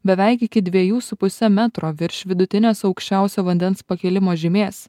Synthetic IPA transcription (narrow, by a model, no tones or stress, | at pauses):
bʲɛʋʲɛɪkɪkʲɪd̪ʲʋʲiɛjuːsʊpʊsʲɛmʲæt̪ɾoːʋʲɪɾʲʃʲʋʲɪd̪ʊt̪ʲɪnʲeːsɒʊkʃʲt͡ʃʲæˑʊsʲoːʋɐnʲd̪ʲɛnspɐkʲɛlʲɪmoːʒʲɪmʲeːs